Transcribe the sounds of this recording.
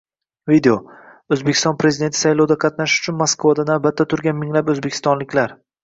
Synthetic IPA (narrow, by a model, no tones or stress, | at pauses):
vid̪eo | ɵzbekʲʰɪst̪ɒnpɾe̞zɪd̪ent̪ʰɪ̥sajlˠɒwd̪aqʰɑt̪naʃʊ̥t͡ʃʰʊnmoskvad̪anabat̪̚ːat̪ʰʊɾɡʲanmɪŋlapɵzbekʲʰɪ̥st̪ɒnlɪkʲlaɾ